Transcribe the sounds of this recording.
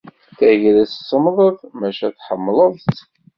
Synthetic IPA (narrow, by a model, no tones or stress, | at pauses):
θæʝɾæst͡sːəmðˤəðˤmæʃæθħəmːləðˤt͡sː